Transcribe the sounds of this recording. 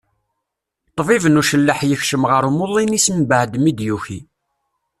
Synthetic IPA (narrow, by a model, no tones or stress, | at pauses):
t̪ˤːvivənuʃəlːəħjəçʃəmʁəɾumʊlˤːinismbəʕd̪mid̪juçi